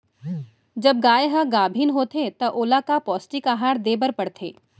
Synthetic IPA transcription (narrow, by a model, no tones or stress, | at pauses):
d͡ʒɐb̚ɡaːjeɦɐɡaːbʱiːnɦoːt̪ʰet̪ɐʔoːlakapɔːsʈikaːɦaːɽd̪eːbəɾpɐɽt̪ʰḛː